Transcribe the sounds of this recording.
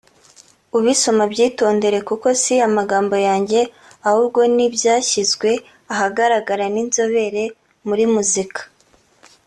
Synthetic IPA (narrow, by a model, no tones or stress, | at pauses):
uβiso̞mabɟiːto̞ːnde̞ɾe̞kuko̞siamaɡaːmbo̞jaːɲɟe̞ | ahuɾɡo̞nibjaːçizɡwe̞ | aɦaɡaɾaɡaɾaninzo̞βe̞ɾe̞ | muɾimuzikḁ